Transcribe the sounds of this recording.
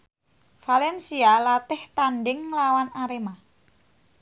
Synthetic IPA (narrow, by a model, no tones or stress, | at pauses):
falɛnsialat̪ɪht̪anɖɪŋlawanaɾema